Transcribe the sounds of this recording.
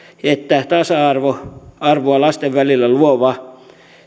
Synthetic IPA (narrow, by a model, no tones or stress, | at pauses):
et̪ːæt̪ɑsɑɑrʋoɑrʋoɑlɑst̪eʋʋælilːæluoʋɑ